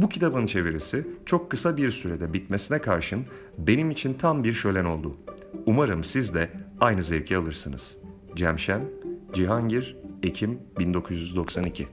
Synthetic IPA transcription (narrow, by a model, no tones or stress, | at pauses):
bucʰit̪ʰabɯnt͡ʃʰe̞viɾesit͡ʃʰo̞kʰːɯsabiɾsyɾed̪ɛbit̪me̞sinɛkʰaɾʃɯn | be̞nimit͡ʃʰint̪ʰambiɾʃø̞jlʲæno̞lˠd̪ʊ | umaɾɯmsizd̪ɛajnɯzɛɾʲcʰialˠɯɾsɯnɯ̰z̥ | d͡ʒæmʃænd͡ʒiɦaɲɟiɾecʰimbind̪o̞kʰuzjyzd̪o̞ksanicʰi